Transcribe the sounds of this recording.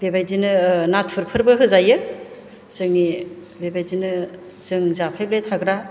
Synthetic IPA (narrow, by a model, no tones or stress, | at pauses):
bebajzinɯnatʰɯɾpʰɯɾbɯɦɯzajɯ | zɯŋni | bebajzinɯ | zɯŋzapʰajp̚lejtʰaɡɾa